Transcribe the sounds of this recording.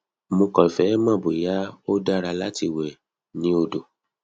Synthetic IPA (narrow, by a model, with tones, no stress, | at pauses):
mõ˧kɔ˨fɛ˨˦mã˦˨bo˨ja˨˦o˦da˦ɾa˧la˦ti˧˨wɛ˨ | nĩ˨˦o˧do˨